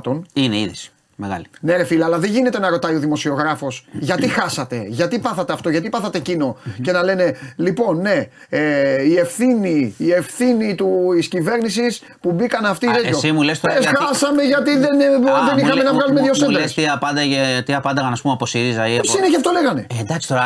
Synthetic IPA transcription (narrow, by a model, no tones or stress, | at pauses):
t̪o̞nineḭðis | meɣɐ̰lineɾe̞filɐɐlɐðeɲʝine̞t̪enɐɾo̞t̪ɐioðimo̞sio̞ɣɾɐfo̞sʝɐt̪ixɐsɐt̪e̞ʝɐt̪ipɐθɐt̪e̞ɐft̪o̞ʝɐt̪ipɐθɐt̪e̞cino̞ce̞nɐle̞ne̞lipo̞nːe̞ | eie̞fθiniːe̞fθinit̪uiscive̞ɾnisis | pubikɐnɐft̪iðeosimulest̪oexɐsɐme̞ʝɐt̪iðenðenixɐme̞nɐvɣɐlumeðjoselst̪iɐpɐnd̪ɐet̪iɐpɐnd̪ɐɣɐnɐspumeɐposiɾizɐiosinecɐft̪ole̞ɣɐne̞nd̪ɐksi̥t̪oɾɐ